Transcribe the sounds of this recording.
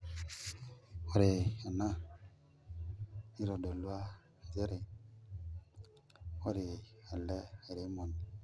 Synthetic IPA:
o˦ɾe˨a˨na˦ | i˦ɾo˨do˨lu˦a˦˨ | de˦ɾe˨ | wo˦ɾe˨a˨lɛ˦e˨ɾe˨˦mo˨n

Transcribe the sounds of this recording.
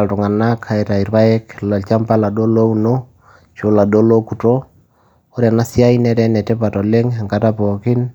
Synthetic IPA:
a˨ltʊ˨ŋa˨na˦kʰa˨i˨ta˨i˨ɾba˦ɛ˦kla˨lt͡ʃa˦mpa˦la˨do˦lo˦u˨no˦ | t͡ʃo˨la˨do˦lo˦ku˨to˦ | o˦ɾja˨na˦si˦a˦inɛ˦ɾɛ˦nɛ˨tɛ˦pa˨tɔ˨le˦ŋa˨ŋka˨ta˦pɔ˨kɪ˦n

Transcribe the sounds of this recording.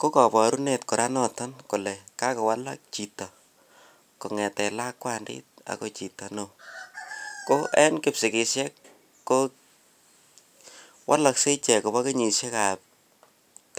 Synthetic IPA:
ko˦kɔ˨pɔ˨ɾu˦ne˨tko˨ɾa˦nɔ˦tɔ˦nkʊ˨lɛ˨ka˦kɔ˨wa˦la̰˦k̚t͡ʃi˨tɔ˨ | ko˨ŋɛ˨tɛ˨la˦kːwa˦ndɪ̰˦t̚a̰˨ko˨t͡ʃi˨tɔ˨no˨ | ko˦ʔɛ˦nkɪ˦psɪ˨ke˨ʃjɛ˦kː | o | wʔa̰˦la˨kse˦t͡ʃɛ˨ko˨ba˦ke˦ɲi˨ʃjɛ˦ka˨p̚ | ta

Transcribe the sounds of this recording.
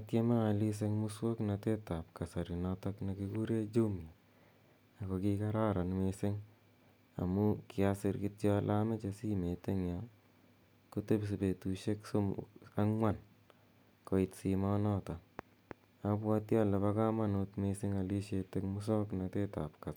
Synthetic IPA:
atje˦ma˦a˨li˦s̬e˦kmu˦swo˦kna˨te˦ta˨p̚ka˨sa˨ɾi˨nɔtakne˨kiku˦ɾe˦d͡ʒu˦m˨aː˨ | kɔ˨kika˦ɾa˦ɾa˨nmesɪ˦ŋ | a̰˨mukɪ˨asɪ˧ɾkɪtjɔ˦lʔame˦t͡ʃa˧si˦me˨te˦ŋja | ku˦te˦ps̬i˨be˨tu˨ʃe˦ksoa˦ŋwa˨n | kɔ˨ɪ˧tsimanɔ˦ta˨n | apwa˦tja˦le˨βa˦ka˦ma˦notmesɪ˦ŋa˨li˦ʃete˦kmʊ˦s̬ɔ˦kna˨te˦ta̰˨pka˨s

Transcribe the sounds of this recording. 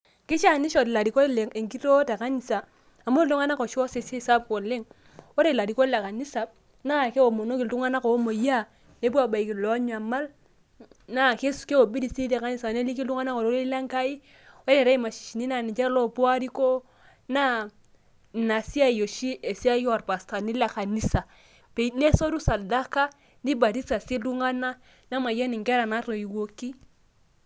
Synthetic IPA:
kɪ˦t͡ʃa˦˨ni˦ʃo˨ti˨la˨ɾi˨ko˦le˨e˨ŋki˦to˦ta˨ka˦ni˨saː˨ | mo˦lu˦ŋa˦na˦ko˨ʃo˦se˨si˦sa˦pko˨lɪ˦ŋ | wo˦ɾe˨la˨ɾi˨ko˦le˨ka˨ni˦sa˨b̚ | na˦ke˦o˨mo˨no˦ki˨ltu˦ŋa˦na˦ko˨o˦mo˨ja˦ | ne˦pu˦a˦˨ba˨i˨ki˨lo˨˦ɲ˦a˨ma˦l | na˦˨ke˦ske˦o˨bi˦di˨si˦te˨ka˦ni˦sa˨ne˦li˦ki˦ltu˦ŋa˦na˦ko˨lo˦lo˦i˦la˦ŋ˦ka˦i˦ | wɛ˦lɛ˨ɾa˦i˦ma˨ʃi̥˨ʃi˨ni˦na˨ni˨t͡ʃɛ˦lɔ˦pwa˦ɾi˦ko˦ | na˦˨ | na˨si˦a˦˨jo˨ʃi˦ʔe˨si˦a˦ja˨ɾpa˨sta˨ni˦la˨ka˨ni˦sa˨ | pe˨˦ne˦so˦ɾu˦sa˨da˦ka˦ | ndi˦ba˨ɾi˦sa˨si˦lu˦ŋa˦na˦ | na˦ma˨ja˦ni˨ŋkɛ˦ɾa˨na˨˦ɾo˨i˨wo˦ki˦

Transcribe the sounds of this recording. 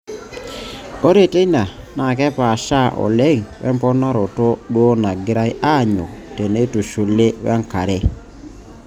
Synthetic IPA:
o˦ɾe˦˨te˦i˦na˨ | na˨kɛ˦pa˨ʃa˦˨ʔɔ̰˨le˦˨ŋwʔɛ̰˦mpɔ˦na˦ɾɔ˨tɔ˦ɗwɔ˦na˨ɡɪ˦ɾa˦jʔa˦˨ɲɔ˨te˨ne˦tu˨ʃu˨le˦wɛ̰˦ŋka˨ɾɛ˦

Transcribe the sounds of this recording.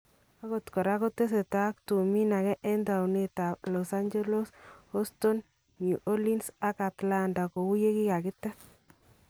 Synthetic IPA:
a˦ko˨tkɔ˨ɾa˦ko˦te˦s̬e˨ta˦k̚tu˨mi˦na˨kɛ˦ʔɛ˦nda˨wne˦ta˨plɔ˨sa˦nd͡ʒe˦lo˦sɔ˦sto˦n | ɲu˨ʔo˦li˦nsa˦ka˨tla˦nda˨ko˨wu˦je˦ki˦ka˨kɪ˦tːɛ˦s

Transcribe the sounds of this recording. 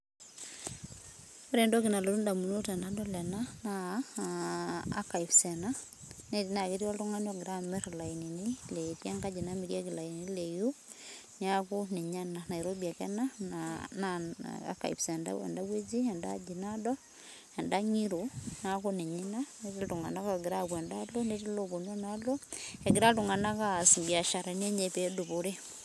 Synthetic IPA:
ɔ˦ɾɛ˨ndɔ˦ki˨na˨lo˨ɾunda˨mu˨no˦tɛ˨nadɔlɛnana | ka˨ifsɛ˨na | nɛtina˨kiti˦waltuŋa˦nɔɡɾamɛɾla˨ininiletia˦ŋkad͡ʒi˨namiɾie˦ki˨la˨inini˦leju | nakuni˨ɲanana˨iɾobia˨kɛnanana̰a̰˨ka̰˨ḭ˨psɛ˨nda̰wɛ̰˨nda˦we˦d͡ʒi˦a˨nda̰˦d͡ʒi˨nadɔ˦ | ɛ˨nda˦ŋi˦ɾona˦ku˦ni˨ɲi˦na˦neti˦ltu˨ŋa̰˨na˦kaɡɪ˨ɾa˦kwɛ˨ndalo˦ne˦ti˦lo˨bo˨nɔ˦na˦lo˦ɛ˨ɡɪ˨ɾa˦ltu˨ŋa˨na˦ka˦si˨mbi˨a˨ʃa˨ɾa˨n˦e˦ɲe˨pe˨du˨po˦ɾe˦

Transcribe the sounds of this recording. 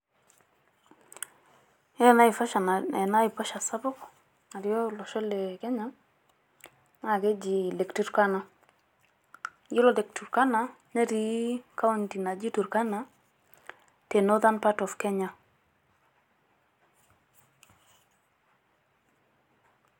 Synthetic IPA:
ɛ˦˨na˦i˨fa˦ʃa˨naɛ˨na˦ɪ˨pɔ˦ʃa˨sa˦bʊ˦k | a˨ɾjɔ˦lɔ˨ʃɔ˦le˨kɛ˦ɲa˦ | na˨ɡe˦d͡ʒi˨le˨ktu˦ɾka˦na˨ | ji˦lo˨le˨k̚tu˨ɾka˦na˨ | ne˦ɾi˦ka˦u˦nti˨na˨d͡ʒi˦tu˨ɾka˦na˨ | te˨no˦ta˦npa˦tɔ˨fkɛ˦ɲa˨

